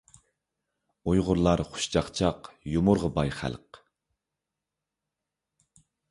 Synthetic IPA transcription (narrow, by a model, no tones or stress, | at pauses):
ujʁʊɾlˠɑɾχʊ̥ʃt͡ʃɑχt͡ʃʰɑqjumʊɾʁəbɑjχæ̰lˠq